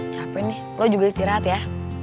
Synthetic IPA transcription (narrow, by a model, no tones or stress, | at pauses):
t͡ʃapɛnːɪ | lɔd͡ʒuɡaist̪iɾat̪ɛja